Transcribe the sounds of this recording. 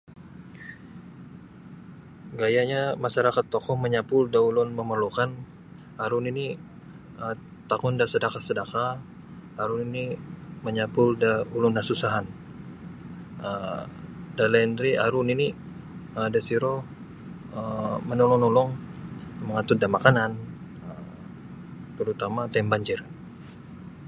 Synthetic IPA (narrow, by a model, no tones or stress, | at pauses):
ɡajaɲamaʃaɾakat̪ːokɔhməɲapʊldaulɔnməmərlokan | aɾʊnini | ə | t̪akɔndasədakasədakaː | ɾʊniniməɲapʊldaulɔndasusaɦan | ə | dalaind̪ɾiaɾʊnini | ədasiɾo | əmənɔlɔŋnɔlɔŋ | məŋat̪ut̪̚damakanan | ə | t̪əɾut̪amat̪ambaɲd͡ʒɪr